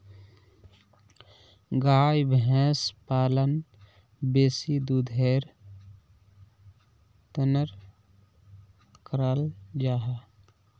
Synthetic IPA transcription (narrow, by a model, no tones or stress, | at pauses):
ɡaːjbʱɛ̃ːspaːlən | beːsid̪ud̪ʱeːɾ | t̪ənəɾ | kəɾəld͡ʒaːɦa